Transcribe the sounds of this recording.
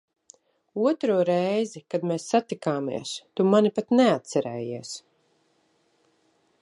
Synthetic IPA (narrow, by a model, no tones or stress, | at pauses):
uɔt̪ɾuɔɾɛjzikad̪meːsːat̪ikaːmḭɛst̪umanipat̪neat̪sɛɾɛ̰ːjiɛs